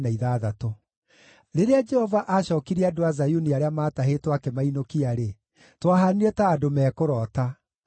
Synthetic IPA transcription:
naiðaðato | ɾeɾead͡ʒɛhɔvaʔaɕɔːkiɾiadoazajuniaɾeamaːtaɦetwakɛmainokiaɾe | twaɦaniɾɛtaːdomɛːkoɾɔːta

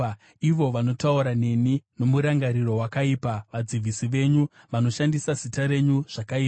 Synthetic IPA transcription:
iʋo̞ʋano̞tauɾane̞nino̞muɾaŋɡaɾiro̞ɦwakaipaʋad͡ziʋʱisiʋe̞ɲu | ʋano̞ʃandisazitaɾe̞ɲuʐ̥akaiːpa

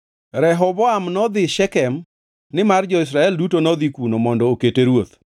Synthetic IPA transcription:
ɾɛɦɔbɔamnɔd̪ɪʃɛkɛm | nɪmard͡ʒɔis̬ɾaɛldutonɔd̪ikunomɔndɔːketeɾwot̪

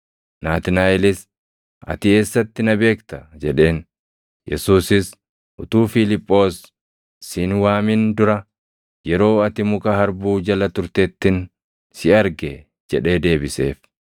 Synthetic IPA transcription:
naːt̪ɪnaːɛlɪs | ɐ̰t̪ɪe̞ːsːɐt̪ːɪnɐbe̞ːkt̪ɐd͡ʒɛᶑe̞ːn | jɛsuːsɪs | ʔʊt̪uːfɪlɪpʼːo̞ːsː | ɪnwaːmɪnd̪ʊɾɐ | jɛɾo̞ːɐt̪ɪmʊkʼɐhɐɾbuːd͡ʒɐlɐt̪ʊɾt̪et̪ːɪn | sɪɐɾɡɛ | d͡ʒɛᶑe̞ːd̪e̞ːbɪse̞̰ːf

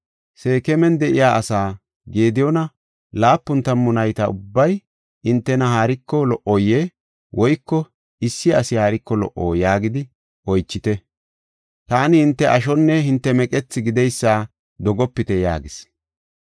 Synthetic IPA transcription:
se̞ːkɛmɛnd̪ɛʔɪjaːʔɐsaː | ɡe̞ːd̪ɪjɔnɐ | laːpːʊnt̪ɐmːʊnɐjt̪ɐʊbːɐj | ɪnt̪ːɛnɐɦaːɾɪkːɔlɔʔɔjːe | wɔjkːɔ | ɪsːɪɐsɪhaːɾɪkːɔlɔ̰ʔo̰ːjaːɡɪd̪ɪ | ɔjt͡ʃːɪt̪ɛ | t̪aːnɪhɪnt̪ːɛʔɐʃɔnːɛhɪnt̪ːɛmɛkʼɛt͡sːɪɡɪd̪ɛjsːaː | d̪ɔɡɔpːɪt̪ɛja̰ːɡɪs

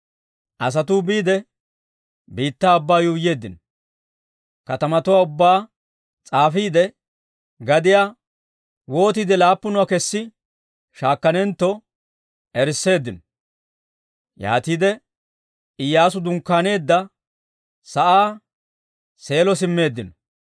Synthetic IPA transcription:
ʔɐs̬ɐt̪ubiːd̪ɛ | biːt̪ːaːbːaːjuːje̞ːd̪ːɪn | kɐt̪ɐmɐt̪ʊwaːʊbːaː | t͡sʼaːfiːd̪ɛ | ɡɐd̪ɪjaː | wo̞ːt̪iːd̪ɛlaːpːʊnʊwakɛsːɪ | ʃaːkːɐnɛnt̪ːɔ | ɛɾsːe̞ːd̪ːɪnɔ̥ | ja̰ːt̪iːd̪ɛ | ɪjːaːs̬ʊd̪ʊŋkːaːne̞ːd̪ːɐ | sɐʔaː | se̞ːlɔsɪmːe̞ːd̪ːɪnɔ

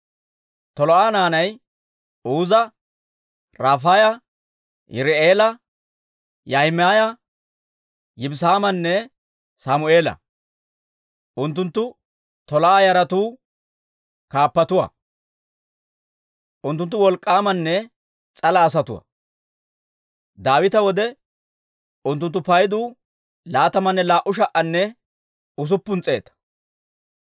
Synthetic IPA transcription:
t̪ɔlɔʔaːnaːnɐj | uːzɐ | ɾaːfaːjɐ | jʔɪ̰ɾɛeːlɐ | jɐhɪmaːjɐ | jɪbsaːmɐnːɛ | samʊe̞ːlɐ̰ | ʔʊnt̪̬ːʊnt̪ːʊ | t̪ɔlɔʔaːjɐɾɐt̪uː | kaːpːɐt̪ʊwɐ̰ | ʔʊnt̪ːʊnt̪ːʊwɔlkʼːaːmɐnːɛ | t͡sʼɐlɐːs̬ɐt̪ʊ̰wɐ̰ | d̪aːwɪt̪ɐwɔd̪ɛ | ʊnt̪ːʊnt̪ːʊpɐjd̪uː | laːt̪ɐmɐnːɛlaːʔʊʃ̬ɐʔɐnːɛ | ʊs̬ʊpːʊnt͡sʼe̞ːt̪ɐ̥

